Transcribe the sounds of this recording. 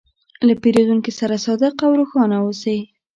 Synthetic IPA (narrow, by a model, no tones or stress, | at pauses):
lapeɾed̪uŋkisaɾasɑd̪ɪqawɾuxɑnausaj